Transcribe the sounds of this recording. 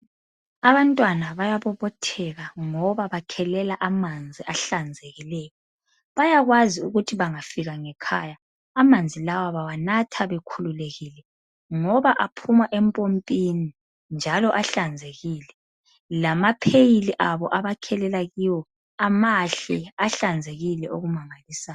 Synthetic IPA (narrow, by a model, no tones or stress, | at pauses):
aβantʼwanaβajaβɔβɔtʰɛɣaŋɔβaβakʰɛlɛlaʔamand͡zʱiʔaɬand͡zʱeɣilɛjɔ | βajaɣwaziuɣutʰiβaŋafiɣaŋɛkʰajaː | mand͡zʱilawaβawanatʰaβɛkʰululeɣilɛ | ŋɔβaʔapʰumaʔɛmpʼompʼini | nd͡ʒʱalɔʔaɬand͡zʱeɣiːlɛ | lamapʰejiliʔaβɔʔaβakʰɛlɛlaɣiwɔ | amaɬɛaɬand͡zʱeɣilɛʔoɣumaŋaliːsaːj